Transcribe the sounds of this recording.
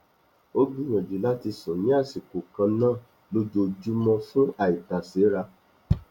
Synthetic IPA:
o˦ɡi˦j̃ɔ̃˨d͡ʒi˨la˦ti˧sɔ̃˨nĩ˨˦a˦˨si˨ko˨kã˧nãː˦˨ | lo˦d͡ʒo˧d͡ʒu˦mɔ̃˧fũ˦a˦˨i˨ta˨se˨˦ɾa˧

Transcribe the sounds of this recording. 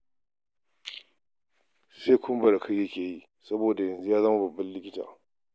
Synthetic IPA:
seː˦kʰʷʊ˦mbɐ˨da˨kʰɐ˦jɐ˦kʲeː˨jiː˦ | sɐ˦boː˨da˨jɐ˨nzu˦jaː˦zaː˦ma˨bɐ˨bːɐ˦nlɪ˦kʲɪ˦ta̰ː˨

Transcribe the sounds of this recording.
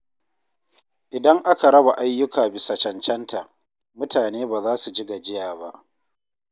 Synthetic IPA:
ʔɪ˨dɐ˦ŋʔa˦ka˨ɾɐ˦ba˨ʔa˦jːʊ˦kaː˨bɪ˨sɐ˨t͡ʃɐ˨nt͡ʃɛ˦ntʰa˨ʔ | mʊ˦tʰaː˨neː˦baː˨zaː˦su˨d͡ʒɪ˦ɡa˨d͡ʒɪ˦jaː˨ba˦ʔ

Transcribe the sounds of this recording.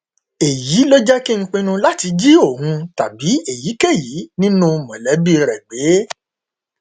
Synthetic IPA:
e˨ji˨˦lo˦d͡ʒɛ˦ki˦ŋ̩˦k͡pĩ˧nũ˧la˦ti˧d͡ʒi˦o˦˨hũ˧ta˨bi˨˦e˦˨ji˨˦ke˦˨ji˨˦nĩ˦nũ˦mɔ̃˨lɛ˨˦bi˦ɾɛ˨ɡ͡be˨˦

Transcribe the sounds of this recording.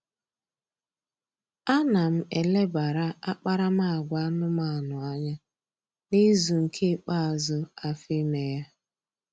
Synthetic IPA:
a˦na˨m̩˦e˨le˦ba˨ɾa˦a˦k͡pa˦ɾa˦ma˦a˨ɡʷa˦a˦nʊ˦ma˨a˨nʊ˨a˦ɲa˦ | ni˦zu˨ŋ̩˨kʰe˦k͡pa˦a˨zʊ˦a˨fi˦me˨ja˦

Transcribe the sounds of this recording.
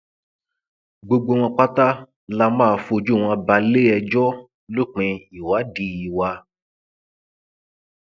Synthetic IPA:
ɡ͡bo˧ɡ͡bo˧w̃ɔ̃˧k͡pa˦ta˦ | la˧mãː˦˨fo˧d͡ʒu˦˨w̃ã˧ba˧le˦ɛ˧d͡ʒɔ˦ | lo˦k͡pẽ˧i˨wa˨˦di˧i˨wa˧

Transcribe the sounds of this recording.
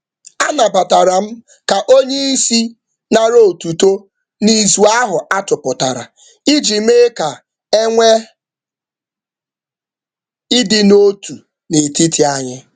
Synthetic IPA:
a˦na˨ba˨ta˨ɾa˨m̩˦ | ka˨ʔo˦ɲe˦i˦si˦ | na˨ɾo˦˨tu˨to˦ | ni˨zu˨a˦ɦʊ˨a˦tʊ˨pʊ˨ta˨ɾa̰˨ | i˦d͡ʒi˨m̩˦e˦ka˨ | e˦ŋʷe˦ | ɪ˦dɪ˨no˦tu˨ | ne˨ti˦tʰi˨a˦ɲɪ˦

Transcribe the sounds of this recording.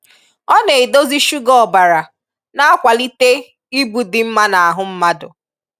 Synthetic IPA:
ɔ˦ne˨e˨do˦zi˦ʃu˦ɡɔ˨ba˨ɾa˨ | na˦a˦kʷa˨li˦te˦ | i˦bu˨dɪ˨m̩˦ma˦na˨a˨ɦʊ˦m̩˦ma˦dʊ̰˨

